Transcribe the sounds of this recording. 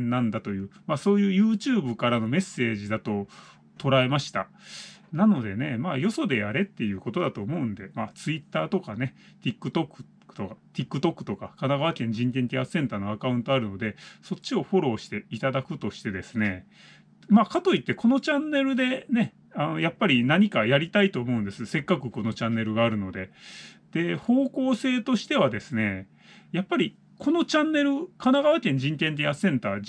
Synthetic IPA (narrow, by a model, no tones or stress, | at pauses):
nnãnd̪at̪o̞jɯ̟ːmaso̞ːjɯ̟ːjɯ̟ːt͡ɕɨːbɯ̟kaɾano̞me̞sːe̞ːʑid̪at̪o̞ | t̪o̞ɾae̞maɕi̥t̪a̰ | nano̞d̪e̞ne̞maːjo̞so̞d̪e̞jaɾe̞t̪ːe̞jɯ̟ːko̞t̪o̞d̪at̪o̞ːmo̞ɯ̟̃nd̪e̞maːt͡sɨit̪ːaːt̪o̞kane̞ | t̪ʲikːɯ̟t̪okːɯ̥ | okat̪ʲikːɯ̟t̪o̞kːɯ̟̥t̪o̞kakanaɡaβakẽ̞ɲ̟d͡ʑĩnt̪ẽ̞ɲ̟t̪ʲiasẽ̞nt̪aːno̞akaɯ̃nt̪o̞aɾɯ̟no̞d̪e̞so̞tt͡ɕɕio̞ɸo̞ɾo̞ːɕi̥t̪e̞it̪ad̪akɯ̟t̪o̞ɕi̥t̪e̞d̪e̞sɨne̞ | maːkat̪o̞it̪ːe̞ko̞no̞t͡ɕãnːe̞ɾɯ̟d̪e̞ne̞ | ano̞japːaɾʲinaɲ̟ikajaɾʲit̪ait̪o̞ːmo̞ɯ̟̃nd̪esɨse̞kːakɯ̟ko̞no̞t͡ɕãnːe̞ɾɯ̟ɡaːɾɯ̟no̞d̪e̞d̪̥e̞ho̞ːko̞ːse̞ːt̪oɕi̥t̪e̞βad̪e̞sɨne̞ | japːaɾʲi | kʰo̞no̞t͡ɕãnːe̞ɾɯ̟kanaɡaβakʲẽ̞ɲ̟d͡ʑĩnt̪ẽ̞ɲt̪̬ʲiasẽ̞nt̪aː